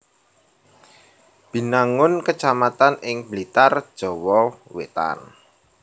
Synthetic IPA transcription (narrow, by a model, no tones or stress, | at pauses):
b̥i̤naŋʊnkət͡ʃamat̪anɪŋb̥əlit̪ard̥ʒ̥ɔ̤wɔwḛt̪a̰n